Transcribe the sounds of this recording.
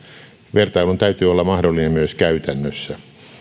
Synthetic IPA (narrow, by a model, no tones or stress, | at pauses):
ʋert̪ɑilunt̪æyt̪yːolːɑmɑhdolːinemmyøskæyt̪ænːøsːæ